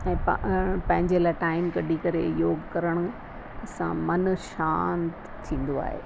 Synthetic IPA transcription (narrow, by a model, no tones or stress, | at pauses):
ɛ̃ːpɐpɐ̃ɦɪ̃ɲd͡ʑelaːɪʈaːɪmɡɐɖʱikɐɾḛjoːɡkɐɾəɽ̃ʊ̆ | ɐsã̰mɐnʃaːnt̪ | t̪ʰĩːn̆d̪oa̰ːɦḛː